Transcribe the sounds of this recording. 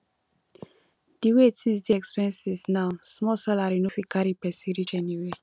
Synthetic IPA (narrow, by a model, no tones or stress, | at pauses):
d̥iwetsĩns̬deɛkspɛ̃nsiznaʊsmɔsalaɾinofikaɾipɛsiɾit͡ʃɛniwe